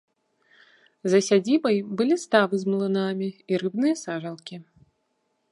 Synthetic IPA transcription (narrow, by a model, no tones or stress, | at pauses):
zɐsʲad͡zʲibɐjbɨlʲist̪avɨzmlˠɨnamʲiiɾɨbnɨjɐsaʐɐlˠkʲi